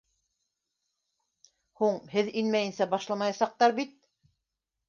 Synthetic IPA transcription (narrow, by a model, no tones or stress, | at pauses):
huɴhɘðinmæjɘ̆nsæbɑʃlˠɑmɑjɑsɑq̚t̪ɑɾbit̪̚